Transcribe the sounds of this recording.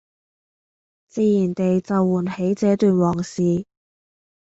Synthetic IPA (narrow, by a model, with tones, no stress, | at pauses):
t͡siː˧jiː˨˩nt̪e˨jt͡sɐ˨wːuː˨˩nhe˨˥jt͡sɛː˨˥t̪yː˨nwɔː˨˩ŋsiː˨